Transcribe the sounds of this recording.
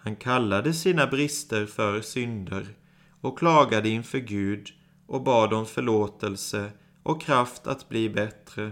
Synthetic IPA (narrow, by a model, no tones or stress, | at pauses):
hankʰalːad̪əsiːnabɾɪst̪əɾfœɾsʏnd̪əɾ | ɔkkːʰlɑːɡad̪əɪnfœɾɡʉ̟ːd̪ | ʔɔk̚bɑːd̪ɔmfœɭoːt̪əlsə | ʔɔkʰːɾaft̪ʰa̰t̪bliːbɛt̪ɾə